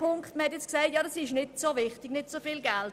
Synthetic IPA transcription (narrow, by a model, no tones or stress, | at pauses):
pʊŋkχtməhɛtjɛt͡sksaɪtjɑːdɑsɪʃnɪtsovɪχtɪɡnɪtsofilɡɛlt